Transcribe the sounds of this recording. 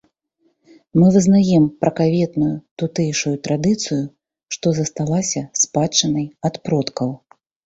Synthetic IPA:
mɨvɨznajɛmpɾɐkavʲɛt̪nujut̪ut̪ɛjʂujut̪ɾad̪ɨt̪sɨju | ʂt̪ɔzɐst̪alˠasʲɐspat͡ʂɐnɐjat̪pɾɔt̪kɐw

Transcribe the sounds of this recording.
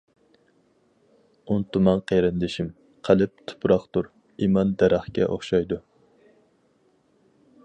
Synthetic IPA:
unt̪umɑŋqʰejɾɪnd̪ɪʃim | qʰælɪp̚t̪ʰu̥pʰɾɑqt̪uɾ | imɑnd̪æɾæχkʲɛ̰ʔo̰χʃɑjd̪u

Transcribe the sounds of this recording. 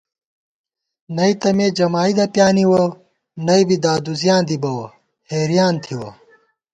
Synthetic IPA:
nɐit̪ɐmeːd͡ʑɐmaːid̪ɐpjaːniwɐ | nɐibid̪aːd̪uzjaːnd̪ibɐwɐ | heːɾijaːnt̪ʰiwɐ̰

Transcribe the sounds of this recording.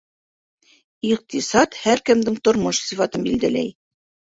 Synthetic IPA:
iq̚t̪isɑt̪hæɾkɘ̆md̪ɘŋt̪ŏɾmoʃsifɑt̪ɤnbild̪ælæ̰j

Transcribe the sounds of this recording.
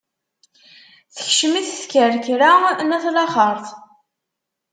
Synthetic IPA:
θə̥çʃəmiθθkəɾkɾanæθlɑχəɾˤθˤ

